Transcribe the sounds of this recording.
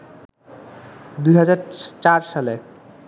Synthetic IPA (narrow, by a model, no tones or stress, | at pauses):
d̪ujɦad͡ʑaɾt͡ɕaɾʃale